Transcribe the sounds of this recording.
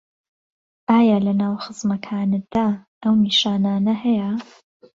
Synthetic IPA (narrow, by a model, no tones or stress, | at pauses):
ʔaːjalɐnaːwxɨzmɐkʰaːnɨd̪̥aːʔɐwmiːʃaːnaːnɐhɐjɐ